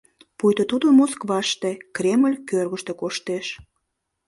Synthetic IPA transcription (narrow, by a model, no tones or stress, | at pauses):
pujt̪ot̪ud̪əmoskβɑʃt̪ekreməlʲkørɣəʃt̪ekoʃt̪eʃ